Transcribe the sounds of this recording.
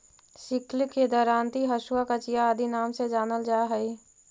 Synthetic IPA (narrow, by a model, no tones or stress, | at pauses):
sɪklked̪ɔːɾaːnt̪iɦəʃʊakat͡ʃijaːd̪ʱinaːmsed͡ʒaːnəld͡ʒaːɦəi